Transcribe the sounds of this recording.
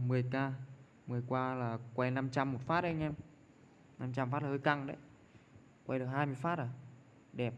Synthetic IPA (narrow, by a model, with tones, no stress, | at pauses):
mɨ˨˩əjkaː˧ | mɨ˨˩əjkwaː˧laː˨˩kwa˧jna˧mt͡ɕa˧mːo˨˩t̚faː˦˥t̚ʔə˧jŋ̟ʔɛ˧m | na˧mt͡ɕa˧mfaː˦˥tlːhəː˧jka˧˩ŋɗə̰˧˦j | kwa˧jɗɨ˨˩ək̚haː˧jmɨ˧əjfaː˦˥t̚la˧˩ | ɗɛ˨˩p̚